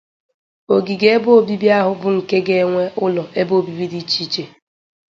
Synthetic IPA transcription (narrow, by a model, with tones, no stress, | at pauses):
o˨ɡi˨ɡe˦e˦bo˦o˦˨bi˦bi˦a˦ɦʊ˨bʊ˦ŋ̩˨ke˦ɡe˦ŋʷe˦ʊ˦lɔ˨e˦bo˦˨bi˦bi˦di˦t͡ʃi˦t͡ʃe˨